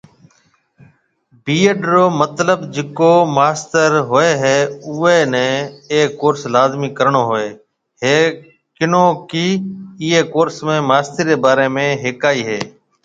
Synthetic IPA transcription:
biːeɖɾoːmət̪ləbd͡ʒɪkoːmaːst̪əɾɦoːeːɦeːʊːeːnɛ̃ːeːkːoːɾslaːzmiːkəɾɳoːɦoːeː | ɦeː | kɪnõːkiːɪːeːkoːɾsmẽːmaːst̪əɾɾeːbaːɾeːmẽːɦeːkaːiːɦeː

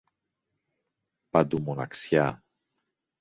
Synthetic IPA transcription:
pɐd̪umonɐ̰ksçɐ

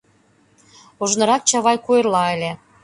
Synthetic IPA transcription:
oʒnɤ̆ɾɑk̚t͡ɕɑβɑjkuerlɑĕlʲĕ

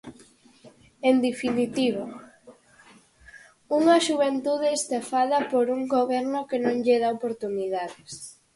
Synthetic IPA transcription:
end̪efinit̪iβ̞o | uŋɐʃuβent̪uð̞est̪afaðɐpoɾuŋɡoβɛɾnʊkenõŋʎeð̞aopoɾt̪uniðaðes

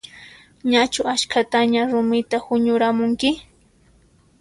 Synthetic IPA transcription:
ɲat͡ʃʊat͡ʃkat̪aɲaɾʊmɪt̪ahʊɲʊɾamʊŋkɪ

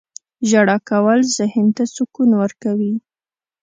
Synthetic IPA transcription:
ʒaɽɑkawəlzəhɪnt̪asukunwəɾkawi

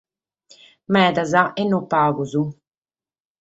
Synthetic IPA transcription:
mɛːd̪azaʔɛnːɔpaːɡuzu

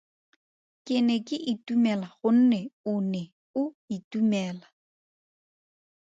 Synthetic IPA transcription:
kʼɪnɛkʼɪʔɪtumɛlaχʊn̩nɛʊnɛ | ʊ | itumɛːla

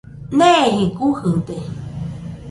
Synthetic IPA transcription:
neɦikuhɨnt̪e

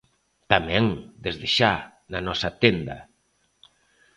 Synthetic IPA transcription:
t̪amɛ̃ŋd̪ezðeʃa | nanɔsat̪end̪a̰

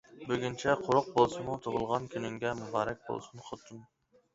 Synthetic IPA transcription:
bøɡʲynt͡ʃʰɛqʰoɾʊq̚bolˠsumut̪ʰoʁʊlˠʁɑnkʲʰynyŋɡʲɛmubɑːɾɛk̚ʲbo̰lˠsunχot̪ʰum

